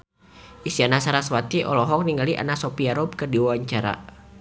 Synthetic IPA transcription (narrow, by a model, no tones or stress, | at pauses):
ʔisianasaɾaswat̪iʔɔ̰lɔɦɔk̚niŋɡaliʔa̰nasɔpiaɾɔb̚kərdiwawaɲt͡ʃaɾa̰